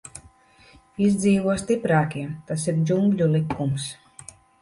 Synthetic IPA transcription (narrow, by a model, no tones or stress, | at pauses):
izʲd̪ziːvuɔst̪ipɾaːkiɛt̪asiɾd͡ʒumɡʎʲulikːums